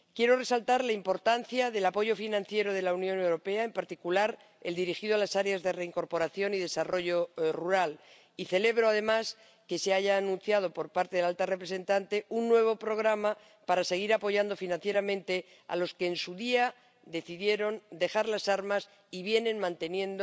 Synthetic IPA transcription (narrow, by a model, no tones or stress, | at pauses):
kje̞ɾo̞re̞salt̪aɾlaimpo̞ɾt̪anθjaðe̞lapo̞ʝo̞finãnθje̞ɾo̞ð̞e̞launjo̞newɾo̞pe̞aempaɾt̪ikulaɾ | eld̪iɾixiðoalasaɾeazðe̞re̞iŋko̞ɾpo̞ɾaθjo̞niðe̞saro̞ʝo̞ruɾal | iθe̞le̞β̞ɾoaðe̞mas | ke̞seaʝaːnũn̟θjað̞o̞po̞ɾpaɾt̪eðelalt̪are̞pɾe̞se̞nt̪ant̪e̞unːwe̞β̞o̞pɾo̞ɣ̞ɾama | paɾase̞ɣ̞iɾapo̞ʝand̪o̞finãnθje̞ɾamẽ̞nt̪e | a̰lo̞ske̞ːnsuðia | d̪e̞θiðje̞ɾo̞nd̪e̞xaɾlasaɾmas | iβje̞ne̞nmãnt̪e̞njẽ̞nd̪o